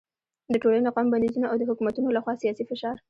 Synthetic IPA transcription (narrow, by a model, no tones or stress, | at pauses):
d̪əʈolaneaqɑmband̪izunoʔawd̪əhʊkumat̪unolaxwɑsijɑsifɪʃɑɾ